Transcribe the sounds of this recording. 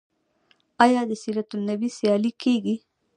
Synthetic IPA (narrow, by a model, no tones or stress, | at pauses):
ajɑd̪esiːɾɐt̪ʊlnɐbisijɑlikeɡi